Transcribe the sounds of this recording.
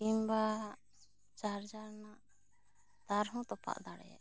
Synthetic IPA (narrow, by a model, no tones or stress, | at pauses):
imba | t͡ʃaɾd͡ʒaɾnaʔ | d̪̥aɾɦɔ̃t̪ɔpʰa̰ʔd̪aɽɛ̰jɛ̰ʔ